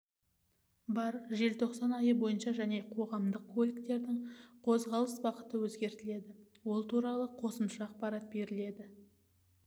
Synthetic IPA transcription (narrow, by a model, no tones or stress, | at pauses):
bɑɾʒe̞lt̪ʰo̞qsɑnɑjəbo̞jənʃɑʒæne̞qʰo̞ʁɑmd̪əqkʰːolʲikt̪e̞ɾd̪ɪɴqʰo̞zʁɑlˠəsbɑqə̥t̪əwɵzɡʲe̞ɾt̪ɪle̞d̪ɪ | wolˠt̪ʰuɾɑlˠəqʰo̞səmʃɑːq̚pɑɾɑt̪̚be̞ɾɪle̞d̪ɪ